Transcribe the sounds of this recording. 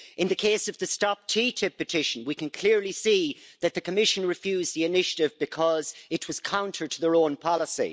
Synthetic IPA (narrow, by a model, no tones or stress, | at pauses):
ɪ̃nðɨkʰeːsʌvðɨstɑp̚tʰiːtʰɪp̚ːɨtʰɪʃə̃n̩wikɨ̃nkʰl̥ɪɹlisiːðɨt̪̚ðɨkʰəmɪʃə̃nɹɨfjʉːzðiɪnɪʃəɾɪvbɨkʰʌzɪt̚wʌz̥kʰãʊ̃ntʰə˞tʰəðə˞õʊ̃npʰɑləsḭ